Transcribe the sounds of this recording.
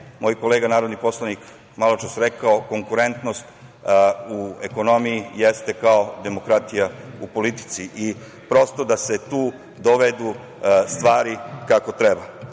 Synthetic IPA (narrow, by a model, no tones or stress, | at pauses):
moːjko̞leːɡanaːɾo̞d̪nipo̞slˠanik | malˠot͡ʃesɾekaoko̞ŋkuɾe̞nt̪no̞st̪ | ueko̞no̞mijijest̪e̞kaod̪e̞mo̞kɾat̪ijaupo̞lit̪i̥t̪siʔi | pɾo̞st̪o̞d̪ase̞t̪uː | d̪o̞ʋed̪u | st̪ʋaːɾikako̞t̪ɾe̞ba